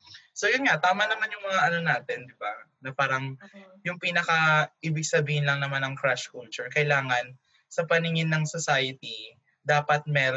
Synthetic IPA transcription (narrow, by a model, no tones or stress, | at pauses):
sojʊnŋat̪aːmanɐmanjʊŋmɐŋaʔɐno̞naːt̪ɛnd̪ɪbanɐpaːɾɐŋ | jʊŋpiːnɐkɐʔiːbɪɡsɐbiːhɪnlɐŋnɐmanɐŋkɾaʃkult͡ʃʊɹkɐʔɪlaːŋɐn | sɐpɐnɪŋɪnːɐŋsosaːjɪt̪i | d̪aːpɐt̪̚mɛːɾ